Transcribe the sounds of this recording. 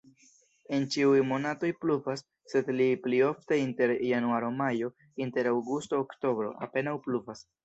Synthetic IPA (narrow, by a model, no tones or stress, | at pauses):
e̞nt͡ʃiujmo̞nato̞jpluvasː | e̞dliplio̞fte̞inte̞ɾjanuaɾomajo̞ | inte̞ɾawɡustoːkto̞bɾo̞̰a̰pe̞nawpluvas